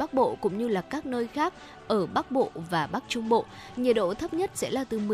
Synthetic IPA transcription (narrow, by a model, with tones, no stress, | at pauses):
a˦˥k̚ɓo̰˧˨kʊ̰˧˥ŋ͡mɲɨ˧laː˨˩kaː˦˥k̚nəː˧jxaː˦˥k̚ | ʔəː˧˩ɓa˦˥k̚ɓo̰˧˨vaː˨˩ɓa˦˥k̚t͡ɕʊ˧ŋ͡mɓo̰˧˨ | ɲi˨˩t̚ɗo̰˧˨t̪ʰə˦˥p̚ɲə˦˥t̚sɛ̰˧˥laː˨˩t̪ɨ˨˩mɨ˨˩